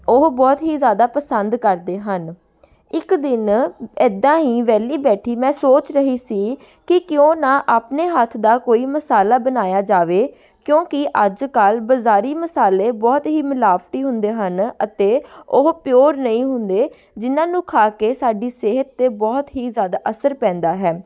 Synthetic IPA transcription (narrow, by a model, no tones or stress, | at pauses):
ʊɦbɔːt̪ɦiːzjaːd̪aːpəsənd̪kəɾd̪eːɦən | ɪkd̪ɪnɛd̪ãːɦiːʋɛːliːbɛːʈʰiːmɛ̃ːsoːt͡ʃɾəɦiːsiː | kɪkjõːnãːʔaːpneːɦət̪ʰd̪aːkoːiːməsaːlaːbənaːjaːd͡ʒaːʋeː | kjõːkɪʔəd͡ʒkəlbəzaːɾiːməsaːleːbɔːt̪ɦiːmɪlaːfʈiːɦʊnd̪eːɦənət̪eːʊɦpjoːɾnəĩːɦʊnd̪eː | d͡ʒɪnãːnũːkʰaːkeːsaːɖiːseːɦət̪ːeːbɔːt̪ɦiːzjaːd̪aːʔəsəɾpɛ̃ːnd̪aːɦɛː